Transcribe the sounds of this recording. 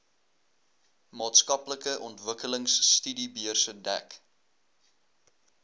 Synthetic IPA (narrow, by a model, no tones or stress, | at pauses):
mɑːtskɐpləkəʔɔntvəkələŋsːtydibiərsədæ̰k